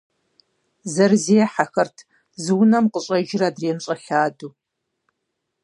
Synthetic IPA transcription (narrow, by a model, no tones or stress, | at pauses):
zɐrzejɛħaxɐrtʰ | zɨwnɐmqəɕʼɐʒɪraːdreːmɕʼɐɬaːduː